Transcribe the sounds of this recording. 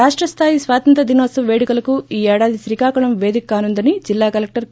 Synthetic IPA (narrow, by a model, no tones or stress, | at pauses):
aːʂʈɾɐst̪ʰaːjisʋaːt̪ɐnt̪ɾɐd̪inoːsɐmʋeːɽikɐlɐkuiːɛːɽaːd̪isɾikaːkɐɳɐmʋe̞ːd̪ikːaːnund̪ɐnid͡ʒilːaːkɐlek̚ʈɐɾ